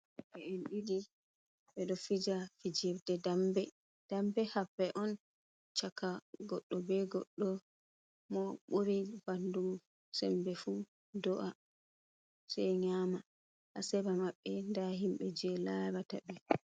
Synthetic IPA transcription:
ʔɛɛnɗidi | ɓɛɗɔfid͡ʒafid͡ʒɛbdɛdambɛ | d̥ambɛhabːɛʔɔn | t͡ʃakaɡɔɗːɔbɛɡɔɗːɔ | mɔɓuɾib̥andum | sɛmbɛfu | dɔʔa | sɛjɲama | ʔasɛbamaɓːɛndaɦimɓɛd͡ʒɛlaɾataɓɛ

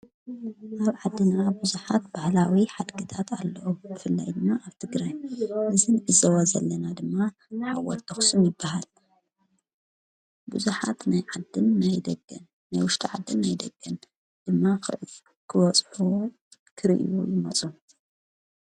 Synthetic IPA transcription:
ʔaβʕad̪ːɨnabuzuħat̪baʕlawiħad̪ɡɨt̪ʰat̪ʰalːɐʔubɨfɨlːa̰jd̪ɨnːaʔaβt̪ʰɨɡɾajnɨzɨnʔɨzɐwazɐlːɐnad̪ɨmːa | ħa̰wɔ̰t̪ʰːɐxsunjɪbːahal | buzuħat̪najʕad̪ɨnːajd̪ɐɡɨnːajwʊʃt̪ʰiʕad̪ːɨnːajd̪ɐɡːɐn | d̪̥ɨmːa | kʰɨwɔt͡sʼħu | kʰɨɾḭʔjujɪmɐt͡sʼu

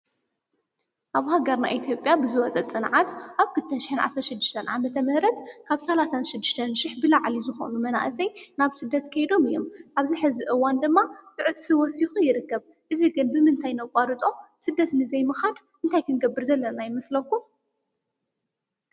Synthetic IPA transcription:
ʔaβuhaɡɐɾna̰ʔit̪ʰjo̞pʼjabɨzɨwɔt͡sʼɐt͡sʼɨnʕat̪ʔaβkʰɨlt̪ʰɐnʃɪ̥ħɨnʕa̰sɾɐʃɨd̪ːɨʃt̪ʰɐnʕa̰mɐt̪ʰɐmɨhɾɐt̪kʰaβsɐlasanʃɪd̪ːɨʃt̪ʰɐnʃɪħbɨlaʕlizɨxo̰numɐna̰ʔɨsɐjnaβsɨd̪ːɐt̪kʰɐjd̪o̞mɨjːomʔaβziħɨziʔɨwand̪ɨmːab̥ɨʕɨt͡sʼfiwɔsixujɪɾɨkːɐβ | ʔɨziɡɨnbɨmɨnt̪ʰajnɐwkʷʼaɾɨt͡sʼo̞sɨd̪ːɐt̪nɨzɐjmɨxad̪ | ʔɨnt̪ʰajkʰɨnɡɐbːɨɾzɐlːɐnajɪmɐslɐkːu

